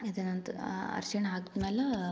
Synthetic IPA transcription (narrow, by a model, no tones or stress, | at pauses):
ɐd̪ɐnɐnt̪ɐ̰ɾt͡ʃɐɳɦaːɡd̪meːlɐ